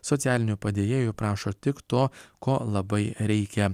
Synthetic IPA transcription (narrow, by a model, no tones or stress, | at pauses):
sɔt̪sʲæːlʲɪnʲʊpɐd̪ʲeːjeːjʊpɾɑːʃoːt̪ʲɪkt̪oːkoːlˠɐbɐɪɾʲɛɪkʲɛ